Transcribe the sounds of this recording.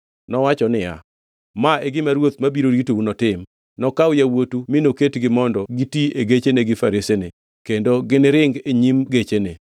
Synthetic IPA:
nɔwat͡ʃɔnɪja̰ | maeɡɪmaɾwot̪̚mabiɾoɾitounɔtɪm | nɔkaʊjawotumɪnoketɡɪmɔndɔɡitieɡet͡ʃeneɡɪfaɾesene | kendoɡɪnɪɾɪŋɡeɲimɡet͡ʃene

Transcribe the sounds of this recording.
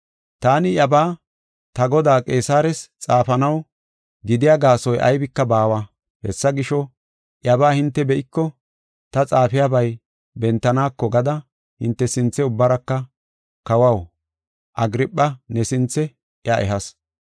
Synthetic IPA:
t̪aːnɪjɐbaː | t̪ɐɡɔd̪aːkʼe̞ːsaːɾɛst͡sʼaːfɐnɐw | ɡɪd̪ɪjaɡaːsɔjʔɐ̰jbɪkːɐbaːwɐ | hɛsːɐɡɪʃɔ | ʔjɐbaːhɪnt̪ːɛbɛʔɪkːɔ | t̪ɐt͡sʼaːfɪjabɐj | bɛnt̪ːɐnaːkːɔɡɐd̪ɐ | hɪnt̪ːɛsɪnt͡sːɛʊbːɐɾɐkːɐ | kɐwɐw | ʔɐɡɪɾɪpʼːɐnɛsɪnt͡sːɛ | ʔjɐʔɛɦɐs

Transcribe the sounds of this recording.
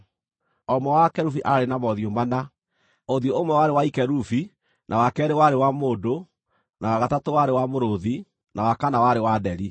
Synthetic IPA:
ɔmwɔwakɛɾufiʔaɾenamɔðiombana | oðjoomwɛwaɾewaikɛɾufi | nʔawakɛːɾewaɾewamoːdo | nawaɣatatowaɾewamoɾoði | nawakanawaɾewadɛɾi

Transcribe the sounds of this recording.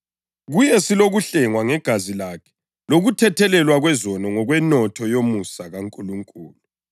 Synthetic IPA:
ɣujɛsiloɣuɬɛŋwaŋɛɡ̥ʱazilakʰɛ̥ | loɣutʰɛtʰɛlɛlwaɣwɛzɔnɔŋɔɣwɛnɔtʰɔjomusaɣaŋkʼuluŋkʼuːlu

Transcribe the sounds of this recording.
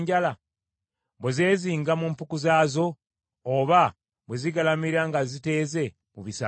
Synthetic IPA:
ɲɟala | βweze̞ːziːŋɡamumpukuzaːzo̞ː | βa | βweziɡalamiɾaŋɡazite̞ːze̞ | muβisa

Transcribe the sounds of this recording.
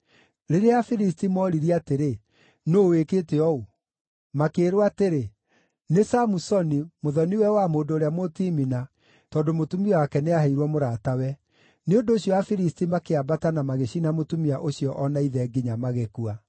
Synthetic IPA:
ɾeɾeafiɾis̬timɔɾiɾiateɾe | noːwekeːteɔu | makeːɾowateɾe | nesamusɔnimoðɔniwɛwamoːdoːɾeamotimina | tɔdomotumiɔwakɛneahɛiɾwɔmoɾaːtawɛ | neondoːɕjɔafiɾistimakeabatanamaɣeɕinamotumiaʔoɕiɔʔɔnaiðɛɡiɲamaɣekua

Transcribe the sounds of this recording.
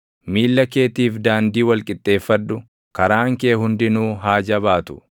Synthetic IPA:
miːlːɐke̞ːt̪iːfd̪aːnd̪iːwɐlkʼɪt̪ʼːe̞ːfːɐd̪ːʊ | kɐɾaːŋke̞ːhʊnd̪ɪnuːɦaːd͡ʒɐβaːt̪ʊ̥

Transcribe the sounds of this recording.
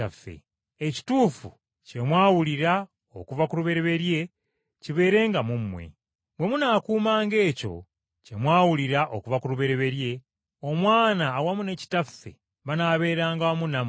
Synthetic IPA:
afḛ | eci̥tuːfu | ce̞mwaːwuliɾa | o̰kuvakuɾuβe̞ɾe̞βe̞ɾje̞ | ciβe̞ːɾe̞ːŋɡamumːwe̞̰ | bwe̞munaːkuːmaːŋɡe̞ːco̞̰ | cemwaːwuliɾaʔokuvakuɾuβe̞ɾe̞βe̞ɾje̞ | o̞mwaːnaːwamune̞ci̥tafːe̞̰ | βanaβe̞ːɾaːŋɡaomunam

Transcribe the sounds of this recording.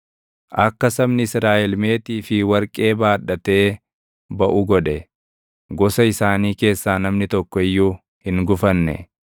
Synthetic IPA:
ʔɐkːɐsɐmnɪɪsɾaːʔɛlme̞ːt̪iːfɪwɐɾkʼe̞ːbaːᶑːɐt̪e̞ː | bɐʔʊɡɔᶑɛ | ɡɔsɐɪsaːniːke̞ːsːaːnɐmnɪt̪ɔkːɔɪjːʊ | hɪŋɡʊfɐnːɛ̰

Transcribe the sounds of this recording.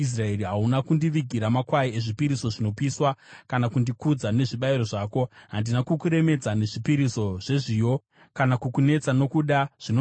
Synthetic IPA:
is̬raeɾiɦaunakundiʋiɡʱiɾamakwaieʐipiɾiso̞ʐino̞piswakanakundikud͡zane̞ʐiɓaiɾo̞ʐaːko̞ɦandinakukuɾe̞me̞d͡zane̞ʐipiɾiso̞ʐ̥e̞ʐijo̞ | kanakukune̞t͡sano̞kuɗaʐ̥ino

